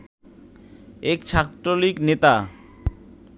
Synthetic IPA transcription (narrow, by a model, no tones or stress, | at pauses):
ekt͡ɕʰat̪ɾoliknet̪a